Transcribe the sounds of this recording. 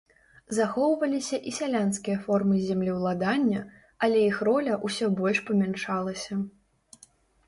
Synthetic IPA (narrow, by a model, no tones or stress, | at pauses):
zaxɔwvɐlʲisʲɐʔisʲalʲanskʲijɐfɔrmɨzʲamlʲiwlˠad̪anʲːɐ | ɐlʲɛjixɾɔlʲɐʔusʲɔbɔlʲʂpɐmʲanʂalˠɐsʲɐ